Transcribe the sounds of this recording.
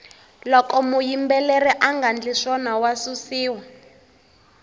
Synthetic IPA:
lɔkɔmujimbɛlɛrɛʔaŋɡand͡ɮiʂɔnawasusiːwa

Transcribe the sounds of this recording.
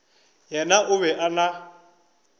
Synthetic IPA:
jɛnaʔʊβɛʔana

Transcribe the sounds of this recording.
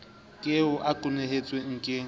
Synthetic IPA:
kʼɪʊʔakʼʊneɦet͡sʼweŋ̩kʼɪ

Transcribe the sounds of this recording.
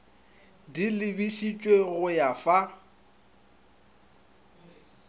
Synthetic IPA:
dilɪbiʃit͡ʃʼweɣʊjafa

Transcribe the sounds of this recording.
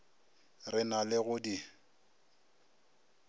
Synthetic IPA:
rɪnalɪɣʊdi

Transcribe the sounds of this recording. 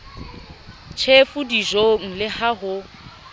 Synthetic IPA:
t͡ʃʰefʊdiʒoŋ̩lɪhaɦʊ

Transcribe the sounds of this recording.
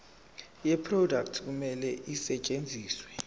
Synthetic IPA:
jɛpʰrɔdak̚tʰk̬umɛlɛʔisɛt͡ʃʼend͡zʱiːswɛ

